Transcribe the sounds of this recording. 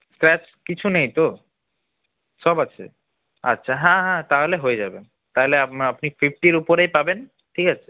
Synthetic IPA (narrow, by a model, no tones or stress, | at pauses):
skɾɛt͡ɕ | kit͡ɕʰunejt̪o | ʃɔbat͡ɕʰḛ | a̰tːɕʰaɦɛ̃ɦɛ̃t̪aɦoleɦoed͡ʑaben | t̪aɦoleaapnifʰifʈiɾupoɾejpaben | ʈʰikat͡ɕʰe̥